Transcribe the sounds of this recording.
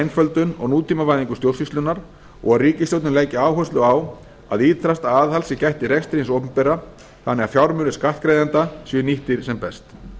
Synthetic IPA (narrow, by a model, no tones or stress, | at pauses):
ajnfœlt̪ʏnɔ̰ɣnuːt̪ʰiːmavajðiŋkʏst̪jowɾ̥sist̪lʏnːaɾ | ɔ̰ɣaðriːcɪst̪owt̪nʏnleːjcɪaːwɦœwst̪lʏaw | a̰ðiːt̪θʰɾast̪aaːðhalsɪcajht̪ɪɾekst̪ɾijnsowpʏmpɛːra | θanːɛːɣafjawɾmʏːnɪskaht̪kɾejðant̪asjʏniht̪ɪɾ̥sɛmpɛst̪